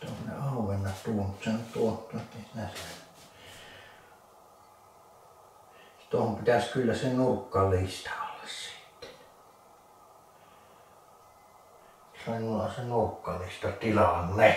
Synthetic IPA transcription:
t̪ohonnḛɑˑuʋenːɑt̪t̪uːnut̪senyt̪t̪uot̪ːuet̪ːeisinæsæ | t̪uohompit̪æskylːæsenuːkːɑlist̪ɑ̥olːessi̥ˑt̪ːe̥ | sɑinːulɑsenuːkːɑlist̪ɑt̪ilɑnːe

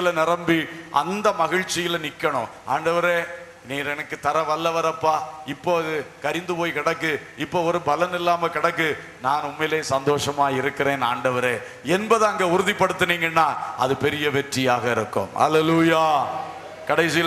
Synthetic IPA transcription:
ɪlɐnɪɾɐmbiʔɐ̰nd̪ɐmɐɣɪɻt͡ʃːɪjɪlnɪkːɐɳʊ̰̃ʔa̰ːɳɖɐʋɐɾeː | niːɾɛnɐkːɯt̪ɐɾɐʋɐlːɐʋɐɾɐpːaːɪpːoːɐðɯkɐɾɪnd̪ɯpoːjkɪɽɐkːɯ | ɪpːoːɔɾɯbɐlɐnɪlːaːmɐkɪɽɐkːɯ | naːnʊmːɐleːsɐnd̪oːʂɐmaːɪɾɯkːɪɾeːna̰ːɳɖɐʋɐɾeː | ɛnbɐðɐɐŋɡeːʊɾʊðipːɐɽɯt̪ːɯniːŋɡɐnːaːɐ̰ðɯpɛɾɪjɐʋɛʈrɪjaːɣɐɪɾɯkːɯ̰mhɐ̰leluːjaː | kɐɽɐɪsɪj

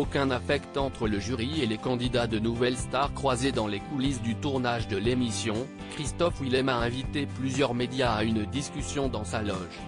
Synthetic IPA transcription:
okʲɛ̃nafɛkt̪ɑ̃t̪χələʒyʁielekɑ̃d̪id̪ad̪ənuvɛlst̪aʁkχwazed̪ɑ̃lekulisd̪yt̪uʁnaʒd̪əlemisjɔ̃ | kχist̪ɔfwilɛmaɛ̃vit̪eplyzjœʁmed̪jaːynd̪iskʲysjɔ̃d̪ɑ̃salɔʒ

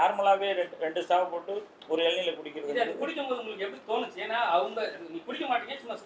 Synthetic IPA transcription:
naːɾmʊɭaːʋeːɾɛɾɛɳɖɯsaːʋɐpoːʈːɯ | ɔɾɯɛlnɪlɐkʊɽɪkʲːɪɾɯɐeɐnd̪ɐkʊɽɪkʲːɯmpoːðɯʊŋɡɐɭɯkːɯɛpːɐɽit̪oːnɯt͡ʃːeːnːaːɐʋɐŋɡɐniːkʊɽɪkʲːɐmaːʈːiːŋɡesʊmːɐs

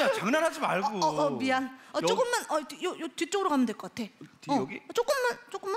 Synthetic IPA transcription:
at͡ɕaŋnanɦad͡ʑimaɭɡoʌmianʌt͡ɕok͈ɯmːanʌjojotit͡ɕ͈oɡɯɾokamjɯndweɭk͈ʌk͈atʰe̞tʌɡiʌt͡ɕ͈ok͈ɯmːant͡ɕ͈ok͈ɯmːan

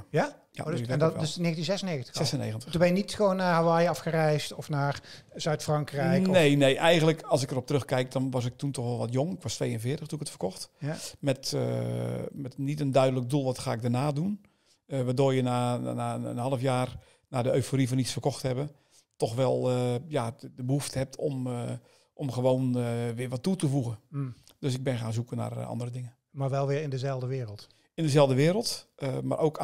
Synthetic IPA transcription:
ja | ja̰ndsneːɣəntinzɛsəneːɣəntəsɛsənḛːɣəntəubɛjənitxəʋoːnːahaʋajɑfxərɛjstɔfnaːrzœɥtfrɑŋkrɛjnejneːʔɛjɣəndləkɑlˠs̬ɪkərɔp̚trøxkɛjk̚dɔnʋɔsɪk̚tuntɔxʋɛlˠʋɔtjoŋɪkʋɔstʋejənvɪːtəxtuəkətfərkɔxtmɛt | mɛtnitəndœɥdələk̚dulˠʋɔtxaːɪɡ̚dərnaːdun | ʋaːdoːrjənaaənɦɑlˠəfjaːr | nadəøɥfoɾifɔnisfərkɔxthɛbə | tɔxʋɛlˠəjadəbəɦuftəhɛp̚tʰɔm | ʔɔmxəʋoːnʋɪːɹʋɔtːutəfuɣəd̥øsɪɡ̚bɪnxaːnzukəna̰rɔ̰ndəɾədɪŋə | maɹʋɛlˠʋɪɹɪndəzɛlˠdəʋɪːɾəlˠt | ɪndəzɛlˠvdəʋɪːɾəlˠtəma̰ɾʔowk

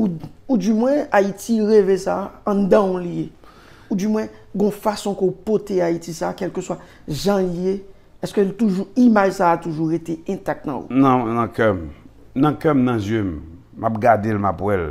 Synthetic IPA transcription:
uudymwɛ̃aitiʁevesãːd̪ãũlje | udymw̃ɛ̃ | ɡɔ̃fasɔ̃kəupot̪eaitisaːkɛlkøswa | ʒãlje | ɛskølt̪uʒuimaʒsaat̪uʒuʁet̪eɛ̃t̪ak̚t̪nã̰ṵnãnãkɛm | nãkɛmnãzjøm | map̚ɡad̪elmapwɛl

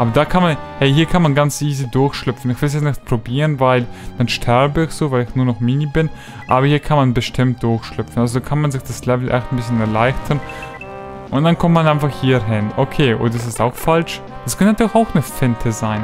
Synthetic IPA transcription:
ʔaːbɐdaːkʰanmanhɛɪɦiːɐkʰanmanɡant͡sʔiːzidʊɐçʃlʏpp͡fn̩ɪçv̥ɪls̬jɛt͡snɪçt̚pʁ̥obiːʁənvaɪld̥anʃtʰɛɐbəɪçz̥oːvaɪlɪçnuːɐnɔχmiːnibɪn | ʔa̰ːbɐhiːɐkʰanmanbəʃtʰɪmt̚d̥ʊɐçʃlʏp͡ffn̩ʔalzodaːkʰanmanzɪçd̥aslɛvl̩ʔɛ̰xtnbɪs̬çənɛɐlaɪçtʰɐn | ʔʊnt̚d̥ankʰɔmtmanʔaɪnfaχhiːɐɦɪnʔokʰeːʔo̰ːdɐd̥as̬ɪstaʊxfalʃ | d̥askʰœntnatʰyːlɪçaʊxnəfɪntʰəzaɪn

